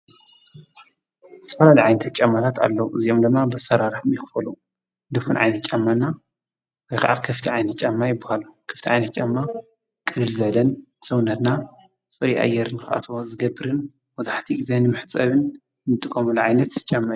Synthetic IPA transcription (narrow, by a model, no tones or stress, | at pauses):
zɨ̥t̪ɐ̥fɐlalɐjʕajnɐt̪ʰat̪̚t͡ʃʼamːat̪ʰat̪ʰa̰lːɐwuʔɨziʔomd̪ɨmːabɨsɐɾaɾɨħmixɨfɐlu | d̪ɨfunʕa̰jnɐt̪̚t͡ʃʼamːanːa | wɔjxa̰ʕa̰lkʰɐft̪ʰiʕajnɐt̪t͡ʃʼamːajɪbːahalukʰɐ̥ft̪iʕajnɐt̪t͡ʃʼamːa | kʼɨlɨlzɐlɐnsɐwnɐt̪na | t͡sʼɨɾiʔa̰jɛɾɨnxɨʔa̰t̪ʰβozɨɡɐbɨɾɨn | wɔzaħt̪ʰiizenɨmɨħt͡sʼɐβɨn | nɨt̪ʼɨkʼːɐmulʕajnɐt̪t͡ʃʼamːaj